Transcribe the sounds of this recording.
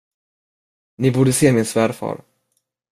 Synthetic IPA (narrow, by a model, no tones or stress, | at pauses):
nɪbuːɖəseːmɪnsvæːɾfɑ̰ːɾ